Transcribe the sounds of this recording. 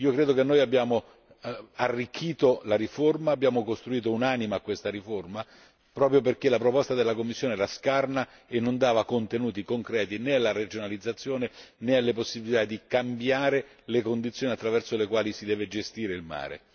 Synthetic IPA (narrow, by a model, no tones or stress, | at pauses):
iːokɾeːd̪okenːoːjabːjaːmo | arːikʰːiːt̪olaɾiformaːbːjaːmokost̪ɾuiːt̪̬ounaːnimeakːwest̪aɾiforma | pɾɔːp̬ɾjop̬erkelapɾopɔst̪ad̪elːakomːisːjoːneɛːɾaskarna | enːond̪aːvakont̪enuːt̪ikoŋkɾɛːt̪inealːaɾed͡ʒonalid̪zːat̪sːjoːnenealːeposːibilit̪ad̪ːikambjaːɾe | lekond̪it̪sjoːniat̪ːɾavɛrsolekwaːlisid̪ɛːved͡ʒest̪iːɾeilma̰ːɾḛ